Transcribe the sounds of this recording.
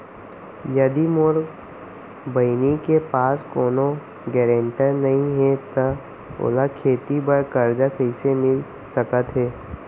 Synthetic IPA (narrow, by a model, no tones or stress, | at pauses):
jɐd̪imoɾ | bəɪnikepaːskoːno | ɡɛːɾẽɳʈəɾnɐɦĩɦɛt̪ə | o̰ːlakʰeːt̪ibəɾkəɾd͡ʒakəɪsemɪl | səkət̪ɦɛː